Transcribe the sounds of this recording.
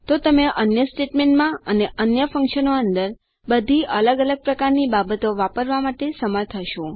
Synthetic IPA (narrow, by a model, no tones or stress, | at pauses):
t̪ot̪əmeʔənjəsʈeʈmeɳʈmãəneʔənjəfə̃ŋkʃənoənd̪əɾ | bəd̪ʱiʔələɡələɡ̚pɾəkaɾnibabət̪oʋapəɾʋamaʈesəməɾt̪ʰəʃõ